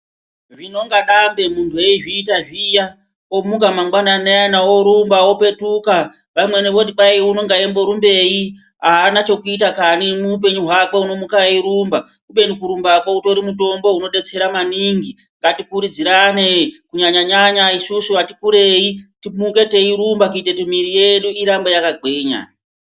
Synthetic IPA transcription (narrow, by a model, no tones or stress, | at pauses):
ʐino̞ŋɡaɗambe̞muntʰue̞iʐiːtaʐija | omukamaŋɡwananeanao̞ɾumbaope̞tuka | ʋamwe̞neʋo̞t̬iɓaiuno̞ŋɡaembo̞ɾumbe̞i | ɦaːnat͡ʃo̞kuitakanimuup̬e̞ɲuɦwakeuno̞mukaiɾumba | kuɓe̞nikuɾumbakouto̞ɾimuto̞mbo̞ɦuno̞ɗe̞t͡se̞ɾamaniŋɡi | ŋɡatikuɾid͡ziɾanekuɲaɲaɲaɲaisusuʋatikuɾe̞itimuke̞te̞iɾumbakuite̞timiɾije̞ɗuiɾambojakaɡʱe̞ːɲa̰